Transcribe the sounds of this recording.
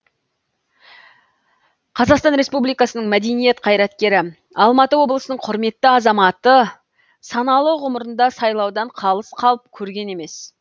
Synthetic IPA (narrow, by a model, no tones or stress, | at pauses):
qʰɑzɑqst̪ɑnɾe̞spublˠijkɑsənəɴmæd̪e̞nijet̪qʰɑjɾɑt̪kʲe̞ɾɪ | ɑlˠmɑt̪əwo̞blˠəsənəɴqʰʊɾme̞t̪ːəɑzɑmɑt̪ə | sɑnɑlˠəwʁʊməɾənd̪ɑsɑjlˠɑwd̪ɑɴqʰɑlˠəsqʰɑlˠəp̚kʲʰɵɾɡʲe̞ne̞me̞s